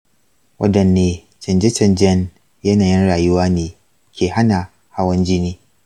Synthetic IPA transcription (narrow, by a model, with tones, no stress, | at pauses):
wʔɐ̰˦dɐ˨nːeː˨ | t͡ʃɛ˨nd͡ʒɛ˦t͡ʃɐ˨nd͡ʒɛ˦n | jɐ˦naː˨jɪ˦nɽaː˨jʊ˦waː˦neː˨ | kʲeː˨ha˦na˨ | ha˦wɐ˦nd͡ʒɪ˦niː˦